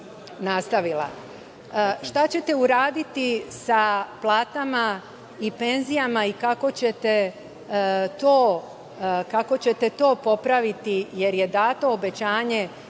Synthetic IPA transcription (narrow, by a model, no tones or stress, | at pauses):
nast̪aʋila̰ | ʃt̪at͡ɕe̞t̪e̞uɾaːd̪it̪isaplˠaːt̪ama | ipe̞nzijamaikako̞t͡ɕet̪e̞ | t̪oː | kako̞t͡ɕe̞t̪e̞t̪o̞ːpo̞pɾaʋit̪ije̞ɾjed̪aːt̪o̞ːbe̞t͡ɕaːɲe̞